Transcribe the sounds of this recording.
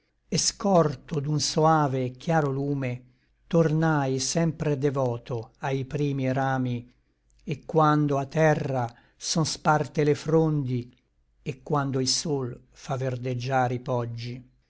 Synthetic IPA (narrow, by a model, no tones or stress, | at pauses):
eskɔrt̪od̪unsoaːvekjaːɾoluːme | t̪ornajsɛmpɾed̪evɔːt̪oajpɾiːmiɾaːmi | ekːwand̪oat̪ːɛrːa | sɔnspart̪elefɾond̪i | ekːwand̪oilsol | favːerd̪ed͡ʒːaːɾipɔd͡ʒːi